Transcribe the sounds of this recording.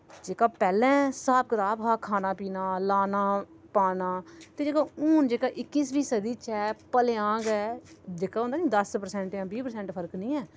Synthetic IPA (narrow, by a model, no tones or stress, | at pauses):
d͡ʒeːkaːpɛːlɛ̃ːsaːp̚ɡəɾaːbɦaːkʰaːnaːpiːnaːlaːnaː | paːnaːt̪eːd͡ʒeːkaːuːnd͡ʒeːkaːʔɪkːiːsbiːsəd̪iːt͡ʃɛːpəleãːɡɛːd͡ʒeːkaːɦõnd̪aːnĩːd̪əspəɾsɛ̃ɳʈjãːbiːpəɾsɛ̃ːɳʈpʰəɾknĩːɛː